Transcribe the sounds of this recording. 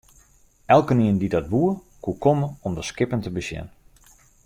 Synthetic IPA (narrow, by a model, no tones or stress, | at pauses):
ʔɛlˠkəniəndidɔt̚buə | kukoməɔmdəskɪpəntəbəsjɛ̰n